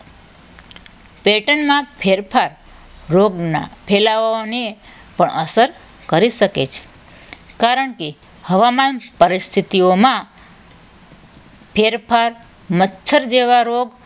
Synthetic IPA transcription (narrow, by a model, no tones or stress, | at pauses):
peʈənmãpʰeɾpʰaɾ | ɾoɡnapʰelaʋone | pəɳʔəsəɾ | kəɾiʃəkḛt͡ʃʰe̥ | kaɾəɳke | həʋamanpəɾɪst̪ʰit̪iomã | pʰeɾpʰaɾ | mətːt͡ʃʰəɾd͡ʒeʋaɾoɡ